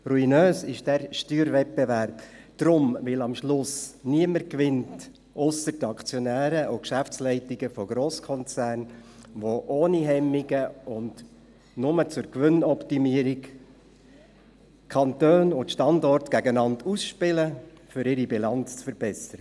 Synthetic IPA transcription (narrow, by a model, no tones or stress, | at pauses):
ruinøːsɪʃd̥æɾʃtyːɾʋɛpɛʋæɾpd̥ɾʊmʋɪlɑmʃlʊsniəməɾkʋɪnt | ʔʊsətɑkt͡sjɔnæːɾəʔʊkʃæft͡slɛɪtiɡ̥əfɔɡɾoːskʰɔnt͡sæːrnʋoʔoːniɦɛmːiɡ̥əʊnd | nʊmət͡sʊɾkʋʏnɔptimiəɾik | kʰɑntøːnʊtʃtɑndɔrtɡ̥æɡənɑntusʃpɪlə | fʏɾɪɾibilɑnt͡st͡sfəɾb̥ɛsəɾə